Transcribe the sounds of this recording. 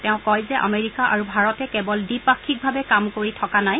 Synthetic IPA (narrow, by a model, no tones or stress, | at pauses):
tɛʊ̃kɔjzɛʔa̰meɹikaʔaɹubʱaɹɔtɛkɛbɔldipakʰːik̚bʱabɛkamkoɹitʰɔkanaj